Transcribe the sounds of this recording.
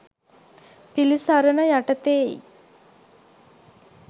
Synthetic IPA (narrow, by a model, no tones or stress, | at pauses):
pilisaɾənəjaʈət̪eːḭ